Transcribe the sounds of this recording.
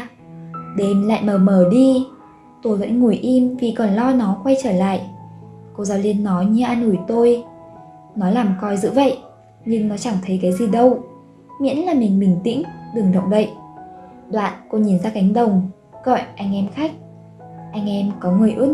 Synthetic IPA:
ɗe˨˩nla̰ː˧˨jməː˨˩məː˧˩ɗi˧ | t̪o˧˩və̰˧˥nŋu˨˩əjʔi˧mvi˨˩kɔ˨˩nlɔ˧nɔ˨˦xwa˧jt͡ɕəː˧˩la̰ː˧˨jʔko˧zaː˧wli˧ənːɔ˨˦jɲɨ˧ʔaː˧nʔu˧˩jt̪o˧j | nɔ˨˦laː˨˩mkɔ˧jzɨ̰˧˥və̰˧˨jʔ | ɲɨ˧ŋnɔ˨˦t͡ɕa˧˩ŋt̪ʰə˨˦jkaː˨˦jzi˨˩ɗə˧w | mḭ˧˥ənlaː˨˩mï˨˩ŋ̟ɓï˨˩ŋ̟t̪ḭ̈˧˥ŋ̟ɗɨ˨˩ŋɗə̰˧˨wŋ͡mvə̰˧˨j | ɗwa̰ː˧˨nko˧ɲi˨˩nzaː˧ka˨˦jŋ̟ɗə˨˩wŋ͡m | ɣɔ̰˧˨jʔa˧jŋ̟ʔɛ˧mxa˦˥k̟̚ | ʔa˧jŋ̟ʔɛ˧mkɔ˨˦ŋɨ˨˩əjʔɨ˦˥ək̚

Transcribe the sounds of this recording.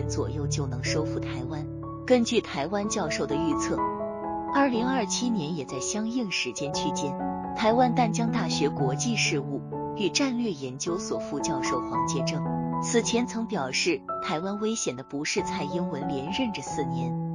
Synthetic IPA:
nt͡swɔ̰˨˩jo˥˩ʊt͡ɕjo˥˩ʊnɤ˧˥ŋʂo˥ʊfu˥˩t̪ʰa˧˥ɪwa˥n | kə˥nt͡ɕy˥˩t̪ʰa˧˥ɪwa˥nt͡ɕjɑ˥˧ʊʂo˥˩ʊd̪ə˩y˥˧t͡sʰɤ˥˩ | ɐ˞˥˩li˧˥ŋɐ˞˥˩t͡ɕʰi˥njɛ˧˥njɛ˨˩t͡sa˥˩ɪɕjɑ˥ŋi˥˩ŋʂɻ̩˧˥t͡ɕjɛ˥nt͡ɕʰy˥t͡ɕjɛ˥nt̪ʰa˧˥ɪwa˥nt̪a˥˩nt͡ɕjɑ˥ŋt̪a˥˩ɕɥɛ˧˥kwɔ˧˥t͡ɕi˥˧ʂɻ̩˥˧u˥˩y˨˩ʈ͡ʂa˥˧nlɥɛ˥˩jɛ˧˥nt͡ɕjo˥ʊswɔ˨˩fu˥˧t͡ɕjɑ˥˧ʊʂo˥˩ʊxwɑ˧˥ŋt͡ɕjɛ˥˧ʈ͡ʂɤ˥˩ŋt͡sʰɹ̩˨˩t͡ɕʰjɛ˧˥nt͡sʰɤ˧˥ŋpjɑ˨˩ʊʂɻ̩˥˩t̪ʰa˧˥ɪwa˥nwe˥ɪɕjɛ˨˩nd̪ə˦pu˧˥ʂɻ̩˥˧t͡sʰa˥˩ɪi˥ŋwə˧˥nljɛ˧˥nɻə˥˩nʈ͡ʂə˩sɹ̩˥˩njɛ˧˥n

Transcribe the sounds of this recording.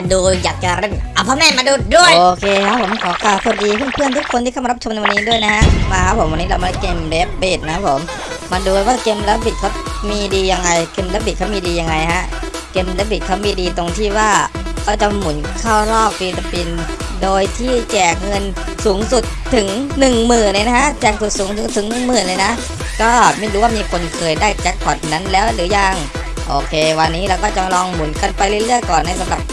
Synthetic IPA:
a˧duː˧jaː˨˩k̚t͡ɕa˨ɾe˧˩mʔa˧˩pʰɔː˦˥mɛː˥˨ma˧duː˧du˥˩əjʔoː˧kʰeː˧ka˦˥pʰo˩˦mkʰɔː˩˦kʰaː˨˩wsa˨˩t̚diː˧pʰɯ˥˩˨ŋpʰɯ˥˩ənt̪ʰu˦˥kʰo˧nt̪ʰiː˥˩ka˥˩˨ɾa˥t͡ɕʰo˧mna˧wa˧nːiː˦˥du˥˩əjna˦˥ha˦˥maː˧kʰa˦˥pʰo˩˦mwa˧nːiː˦˥lwma˧n˦˥˩keː˧mle˦˥p̚beː˨˩t̪̚na˦kʰa˦˥pʰo˩˦mː | a˧nduː˧a˧waː˥˩ke˧mlɛː˦˥bi˨˩t̪̚kʰa˦˥wmiː˧diː˧ja˧ŋːa˧jkeː˧mlɛː˦˥pbi˨˩t̚kʰa˦˥miː˧diː˧ja˧ŋːa˧jha˦˥ʔ | ke˧mlɛ˦˥p̚bi˨˩t̪̚kʰaː˦˥miː˧diː˧t̪o˧ŋt̪ʰiː˥˩waː˥˩kʰɔː˥˩t͡ɕa˧˦mu˩˦nkʰaː˥˩wlɔː˥˩p̚fiː˧t̪a˧pi˧n | doː˧jt̪ʰiː˥˩t͡ɕɛː˨˩k̚ŋɤ˧n | suː˩˦ŋsu˨˩t̪ʰːɯ˨˩˦ŋnɯ˨˩ŋmɯː˨˩nle˧˦na˧a˦˥ʔt͡ɕɛː˨˩k̚su˨˩t̪̚suː˨˦ŋsu˨˩˦t̪ʰːɯ˩˦ŋnɯ˨˩ŋmɯː˨˩nlːna˦˥ʔ | kɔː˥˩ma˥˩jɾuː˦waː˥˩miː˧kʰo˧nkʰɤː˧jdaː˥˩jt͡ɕɛ˦˥k̚pʰɔ˨˩t̪̚na˦˥nlɛː˦˥wɾɯː˩˦ja˧ŋ | ʔoː˧kʰeː˧wa˧nːiː˦˥lɛː˦˥˩wkɔː˥˩t͡ɕa˧lɔː˧ŋmu˩˦nka˧npa˧jlɤ˧˥˩lɯ˥˩əjkɔː˨˩nːa˧˥jsa˨˦mla˨˩p̚

